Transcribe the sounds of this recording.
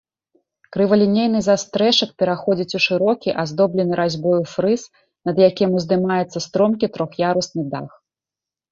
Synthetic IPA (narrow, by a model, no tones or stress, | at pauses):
kɾɨvɐlʲinʲejn̪ɨzast̪ɾɛʂɐk̚pʲɛɾaxɔd͡zʲit͡sʲuʂɨɾɔkʲiʔazd̪ɔblʲɛnɨɾʔazʲbɔjufɾɨs | nɐd̪jakʲimʲuzd̪ɨmajɛt̪sːɐst̪ɾɔmkʲit̪ɾɔxjaɾusnɨd̪a̰x